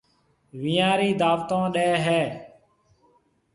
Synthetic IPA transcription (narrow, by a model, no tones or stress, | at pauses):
ʋiːãːɾiːd̪aːʋt̪õːɗeːɦɛː